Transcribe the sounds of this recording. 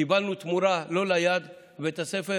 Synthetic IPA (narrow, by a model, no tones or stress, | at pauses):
ibalnut̪muɾalo̞lajad̪ | bet̪asefe